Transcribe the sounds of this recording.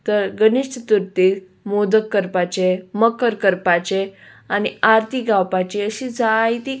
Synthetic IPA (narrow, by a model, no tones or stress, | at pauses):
t̪əɾɡəniʂʈʰət̪uɾt̪iː | mod̪əkːəɾpat͡ɕeməkːəɾkəɾpat͡ɕe | aniaɾt̪iɡawpat͡ɕiəɕid͡zait̪i